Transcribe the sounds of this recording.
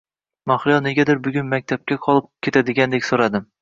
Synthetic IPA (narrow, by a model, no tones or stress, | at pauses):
maχɪjɒne̞ɡʲad̪ɪɾbʊɡʲʊnmak̚ʲt̪ʰap̚kʲaqʰɒlˠɪp̚kʲʰe̞t̪ʰad̪ɪɡʲand̪ekʲsoɾad̪ɪm